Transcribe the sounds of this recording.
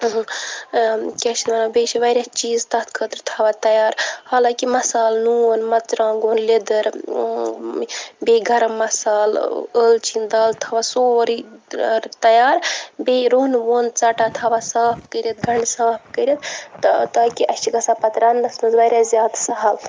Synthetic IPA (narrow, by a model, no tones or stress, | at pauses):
ɦ | kʲet͡ʃʰit̪mɐnɐbeːʃʰiʋɐɾʲjat͡ʃiːzt̪ɐt̪ʰkʰət̪ɾt̪ʰaːʋat̪ɐjaːɾhaːlãːkimɐsaːlnuːonmɐt̪t͡ʃɾãːɡoːnled̪əɾ | beɡʱɐɾɐmɐsaːləlt͡ʃind̪ɐlt̪ʰaʋasoːɾiɾt̪ɐjaːɾbeɾoːnʋont͡saːʈat̪ʰaːʋasaːpʰkəɾʲet̪̚ɡʱɐɳɖsaːp̚ʰkəɾet̪t̪aːkiʔɐt͡ʃʰiɡɐsapɐt̪ɾaːnːɐsmɐzʋɐɾʲazjaːd̪sɐɦɐl